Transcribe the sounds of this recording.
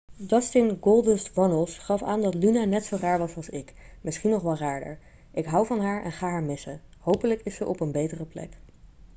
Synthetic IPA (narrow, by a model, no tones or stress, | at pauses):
dɑstɪnɡolˠdənstʋɑnəlˠsχɑfa̰ːndɑtlynanɛtsowraːɹʋɑsɑlˠsɪkmɪsχinːɔχʋɑlraːɹdə̰ɹ | ʔɪkɦʌwvɑnɦaːɹɛ̰nχaːɦaːɹmɪsəɦowpələkɪssəʔɔpənbejtərəplɛ̰k